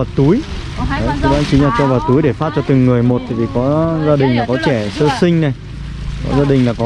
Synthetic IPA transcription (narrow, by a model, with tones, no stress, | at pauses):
aː˨˩t̪u˨˦j | ə˨˦t̪ʰə˧˦ɓaː˨˦nt͡ɕi˨˦ŋlaː˨˩t͡ɕɔ˧vaː˨˩t̪u˨˦jɗe˧˩faː˦˥t̚t͡ɕɔ˧t̪ɨ˨˩ŋːɨ˨˩əjmo˨˩t̚t̪ʰaː˧˩vi˨˩kɔ˨˦zaː˧ɗï˨˩ŋ̟laː˨˩kɔ˨˦t͡ɕɛ˧˩səː˧sï˧ŋ̟na˨˩j | kɔ̰˨˦zaː˧ɗï˨˩ŋ̟laː˨˩kɔ˨˦